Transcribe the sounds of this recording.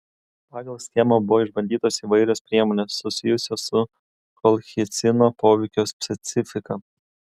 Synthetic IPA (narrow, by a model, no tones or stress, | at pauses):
pɑːɡɐlˠsʲt̪ʲemɐbʊʋoːɪʒbɐnʲd̪ʲiːt̪oːsiːʋɐɪɾʲɛspʲɾʲiɛmoːnʲeːsːʊsʲɪjʊsʲosʊ | kɔlʲˠxʲɪt̪sʲɪnoːpoːʋʲɛɪkʲoːspʲsʲɛt̪sʲɪfʲɪkɐ